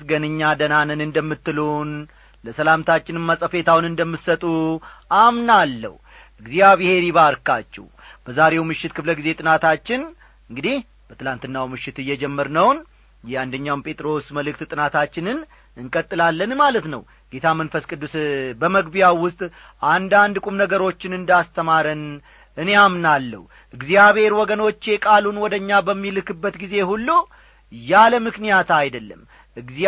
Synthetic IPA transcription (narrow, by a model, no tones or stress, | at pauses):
sɡənɨɲːad̪ənanənɨnd̪əmːɨt̪ːɨlon | ləsəlamt̪ʰat͡ʃːɪnɨnməsʼəfe̞t̪ʰawnɨnd̪əmːɨt̪sət̪ʼuamnalːə̰h | ʔɨɡzijaβɨhe̞ɾiβaɾkat͡ʃːɛ̰w | b̥əzaɾe̞wmɨʃːɪt̪kʰɨfləɡize̞t̪ʼɨnat̪ʰat͡ʃːɪn | ɨŋɡɨd̪ih | b̥ət̪ʰɨlant̪ɨnːawmɨʃːɪt̪ɨjːɛd͡ʒɛmːəɾnəwn | jɛand̪əɲːawmpʰʼe̞t̪ʼɾo̞sməlɨkt̪t̪ʼɨnat̪ʰat͡ʃːɪnɨn | ɨŋkʼət̪ʼːɨlalːənmalət̪nə̰w | ɡ̥e̞t̪ʰamənfəskʼɨd̪ːusbəməɡbijawːʊst̪ʼ | ʔand̪and̪ɨkʼumnəɡəɾo̞t͡ʃːɪnɨnd̪ast̪ʰəmaɾən | ʔɨne̞amnalːə̰hu | ʔɨɡzijaβhe̞ɾwɔɡəno̞t͡ʃːekʼalunwɔd̪əɲːabəmːilɨkɨbːət̪ɡize̞hulːu | jaləmɨknijat̪ajd̪əlːəmː | ʔɨɡz